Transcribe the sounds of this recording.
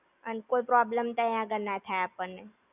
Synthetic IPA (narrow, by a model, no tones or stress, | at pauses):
ənkoːipɾɔːbləmt̪əjãɡənːat̪ʰaeapənːe